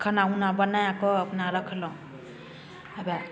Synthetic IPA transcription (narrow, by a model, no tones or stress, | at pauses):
kʰanaunabənajãkɔːpnaɾʌkʰlɔ̃ | aba